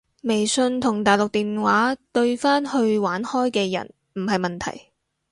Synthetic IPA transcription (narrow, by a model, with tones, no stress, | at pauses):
me˨˩jsɵ˧nt̪ʰʊ˨˩ŋt̪aː˨˩jlʊ˨k̚t̪iː˨nwaː˨˥t̪ɵ˧ɥfaː˥nhɵ˧ɥwaː˨˥nhɔː˥jkɛː˧jɐ̰˨˩n | m̩˨˩ɦɐ˨jmɐ˨nt̪ʰɐ̰˨˩j